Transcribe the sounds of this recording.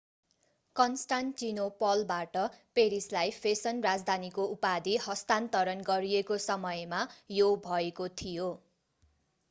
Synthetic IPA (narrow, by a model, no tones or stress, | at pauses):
kʌnsʈanʈinopʌlbaʈʌpeɾislajpʰesʌnrad͡zd̪ʱanikoupad̪ihʌst̪ant̪ʌɾʌnɡʌɾijekosʌmʌjmajobʱʌekot̪ʰijo